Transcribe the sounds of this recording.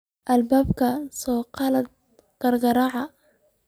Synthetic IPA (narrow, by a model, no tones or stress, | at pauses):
ʔɐlbaːbkʰɐsɔːqɑlɐd̪̚ | ɡ̥ɐrɡɐɾɑʕɑ